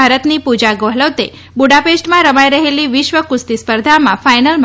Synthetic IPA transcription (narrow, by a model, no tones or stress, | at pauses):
aɾət̪nipud͡ʒaɡoɦləʋt̪e | buɽapeʃʈmãɾəmajɾəɦeliʋɪʃʋəkʊst̪ispəɾd̪ʱamãfajnəlm